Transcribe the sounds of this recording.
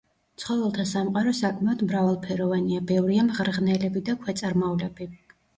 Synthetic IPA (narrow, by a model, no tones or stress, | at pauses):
t̪sʰχɔvɛlˠt̪ʰasamqʼaɾɔsakʼʰmaɔd̪mɾavalˠpʰɛɾɔvaniabɛvɾiamʁɾʁnɛlɛbid̪akʰwɛt̪sʼaɾmaulɛbi